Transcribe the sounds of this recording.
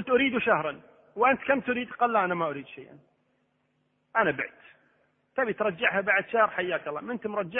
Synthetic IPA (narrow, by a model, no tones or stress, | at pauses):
ʊlt̪ʔʊɾiːd̪uʃahɾˤɑn | wʔant̪kamt̪ʊɾiːd̪qɑːlːaʔanamaʔʊɾiːd̪ʃajʔa̰n | ʔanabɪʕt̪ | t̪aːbit̪ɾˤɑd͡ʒːaʕhabaʕd̪ʃahɾˤħajːaːkɑlˤːɑ̰ːmɪnt̪mɾˤɑd͡ʒːa